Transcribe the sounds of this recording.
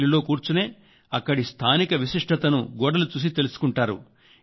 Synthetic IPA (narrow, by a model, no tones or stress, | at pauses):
lilo̞ːkuːɾt͡ʃune̞ː | ɐkːɐɽist̪ʰaːnikɐʋiʃiʂʈʰɐt̪ɐnuɡɔːɽɐlut͡ʃuːs̬it̪e̞lusu̥kuɳʈaːɾṵ